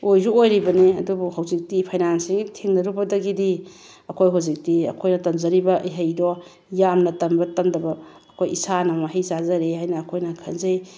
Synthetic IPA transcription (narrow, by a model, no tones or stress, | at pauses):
ojzuojɾibɐniɐdubuɦawzik̚tipʰajnansiŋɡitʰeŋnɐɾubɐdɐɡidi | ɐkʰojɦawzik̚tiɐ̰kʰojnɐtɐmzɐɾibɐʔɐ̰jɦɐjdɔ | jamnɐtɐmbɐtɐmdɐbɐːkʰojisanɐmaɦejzazɐɾeɦajnɐːkʰojnɐkʰɐnzɐj